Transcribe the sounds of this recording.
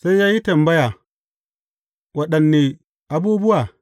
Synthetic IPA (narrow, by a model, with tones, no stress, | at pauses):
sa˦jja˦ji˦tɐ˨mbɐ˦ja˨ | wɐ˨ɗɐ˨nːe˨ | ʔa˨bu˦bu˦wa˨